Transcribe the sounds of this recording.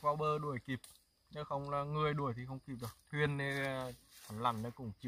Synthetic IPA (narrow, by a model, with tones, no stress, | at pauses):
vaː˧˩wɓəː˧ɗu˧˩əjki˨˩p̚ | ne˨˦˥xə˧wŋ͡mlaː˨˩ŋɨ˨˩əjɗu˧˩əjt̪ʰi˨˩xə˧wŋ͡mki˨˩p̚ɗɨ˨˩ək̚t̪ʰwi˧ənːe˧a˨˦nla̰˧˩nnə˨˧˦kʊ̰˧˩ŋ͡mt͡ɕi˨˧˩